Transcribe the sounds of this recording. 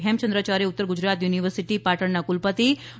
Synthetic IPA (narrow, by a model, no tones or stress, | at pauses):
ɦemt͡ʃənd̪ɾət͡ʃaːɾeʊt̪ːəɾɡʊd͡ʒɾaːt̪juːniʋəɾsiʈipaːʈəɳnakulpət̪i